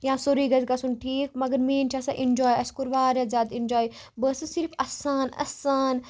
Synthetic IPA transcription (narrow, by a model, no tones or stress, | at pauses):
jãːsoɾiːɡɐzkasunʈʰiːkmɐɡɐɾmiːnt͡ʃʰasaʔɪ̃nd͡ʒɔːjɐskuɾʋaːɾjaːzʲjaːd̪ɪ̃nd͡ʒɔːj | bəːsɨsɪɾfɐ̰saːnɐ̰saːn